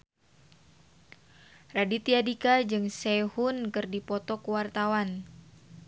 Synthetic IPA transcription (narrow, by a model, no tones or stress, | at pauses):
radit̪iadikad͡ʒɨŋsɛhunkɨrdipɔt̪ɔkuwart̪awan